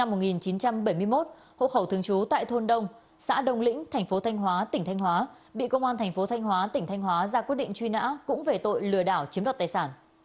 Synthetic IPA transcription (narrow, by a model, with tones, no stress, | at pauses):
na˧mːo˨˩t̚ŋi˨˩nt͡ɕi˨˦nt͡ɕa˧mɓə˧˩jmɨ˧jmo˦˥t̚ | ho̰˧˨xə˧˩wt̪ʰɨ˨˧əŋt͡ɕu˨˦t̪a̰ː˧˨jt̪ʰo˧nɗə˧wŋ͡m | sa̰ː˧˥ɗə˧˩wŋ͡mlḭ̈˧˥ŋ̟t̪ʰɛ˨˩jŋ̟fo˨˦t̪ʰa˧jŋ̟ɦwaː˨˦t̪ï˧˩ŋt̪ʰjŋ̟hwaː˨˦ | ɓḭ˧˨kə˧wŋ͡mʔaː˧nt̪ʰɛ˨˩ŋ̟fo˨˦t̪ʰa˧jŋ̟ɦwaː˨˦t̪ï˧˩ŋ̟t̪ʰa˧jŋ̟ɦwaː˨˦zaː˧kwi˦˥ət̚ɗḭ˧˨ŋ̟t͡ɕwi˧na̰ː˧˥kʊ̰˧˥ŋ͡mve˨˩t̪o̰˧˨jlɨ˧˩əɗaː˧˩wt͡ɕi˨˦mɗa˨˩t̪aː˨˩jsaː˧˩n